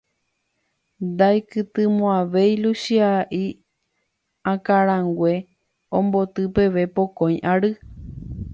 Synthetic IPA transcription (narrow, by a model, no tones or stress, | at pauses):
nd̪ajkɨt̪ɨmõãʋe̞jluʃiaʔi | ãkaɾãŋɡʷe̞ | õmbo̞t̪ɨpe̞ʋe̞pokõj̃ʔaɾɨ